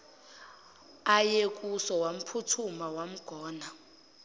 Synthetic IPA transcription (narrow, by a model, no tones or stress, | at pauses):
ajekʼusɔwam̩pʰutʰumawam̩ɡ̥ʱɔːna